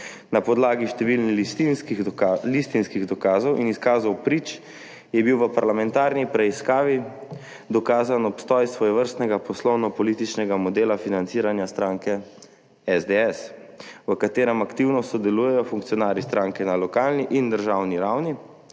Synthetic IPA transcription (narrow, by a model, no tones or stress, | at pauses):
napɔd̪laːɡiʃt̪ɛʋilniist̪inskilist̪inskiɣd̪ɔkaːzɔwʔiniskaːzɔwpɾit͡ʃ | jɛbiwʋəpaɾlamɛnt̪aːɾnipɾɛiskaːʋi | d̪ɔkaːzanɔpst̪ɔjsʋɔjɛʋəɾst̪nɛɡapɔslɔwnɔpɔliːt̪it͡ʃnɛɡamɔd̪eːlafinant̪siːɾanjast̪ɾaːŋkɛ | ɛzd̪eɛsʋəkat̪eːɾɛmakt̪iwnɔsɔd̪ɛluːjɛjɔfuŋkt̪sijɔnaːɾist̪ɾaːŋkɛnalɔkaːlniʔind̪əɾʒawniɾawni